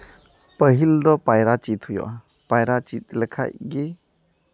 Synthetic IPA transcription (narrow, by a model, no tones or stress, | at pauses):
pəɦildɔpajɾat͡ʃit̪ʰhujɔ̰a | pajɾat͡ʃit̪̚ləkʰa̰jɡi